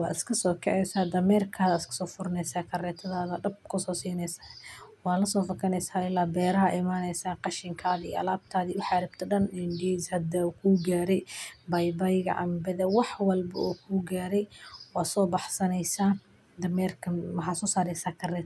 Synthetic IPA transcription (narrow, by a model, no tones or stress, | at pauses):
wɑːɪskʰɐsɔːkʰɛ̰ʕɛsaːd̪ɐmɛːrkʰaːðɐɪskʰɐ̥sɔːfʊɾɐnɛsaːkʰɐrɛːt̪ʰɐðaːðɐɖɐb̚kʰʊsɔːsiːnɛjsaːwɑːnlɐsɔːfɐkʰɐnɛjsaːɪlːaːbɛːɾɐɦɐʔɪmaːnɛjsaːqɑʃɪŋkʰaːðɐḭːɐ̰laːb̚t̪ʰaːðiʊħɑɾɪb̚t̪ʰɐɖɐnɪndiːshɐd̪ɐkʰuːɡaːɾɛjbɐjbɐjɣɐ̰ʕɑ̰mbɛðɛwɑħwɑlbɐ̰ʔuːkʰuːɡaːɾɛjwɑːsɔːbɑħsɐnɛjsaː | d̪ɐmɛːrkʰɐħɑsɔːsaːɾɛjsaːkʰɐrɛːt̪